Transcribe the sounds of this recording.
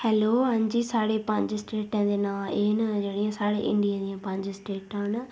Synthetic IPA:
hɛːloːɦãːɲd͡ʒiːsaːɽeːpə̃ɲd͡ʒsʈeːʈãːd̪eːnaːeːnd͡ʒeːɽɪjãːsaːɽḛːʔɪ̰̃ɳɖijãːd̪ɪjãːpə̃ɲd͡ʒsʈeːʈãːn

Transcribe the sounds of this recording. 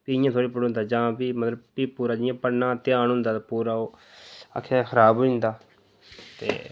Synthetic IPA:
piɪjãːt̪ʰoːɽiːpəɽɦʊnd̪aːd͡ʒãːbiːmət̪ləbpiːpuːɾaːd͡ʒɪjãːpəɽnãːt̪ɪãːnɦʊnd̪aːt̪ːpuːɾaːoː | a̰kʰːaxʰəɾaːbɦʊɪ̃nd̪aː | t̪ḛː

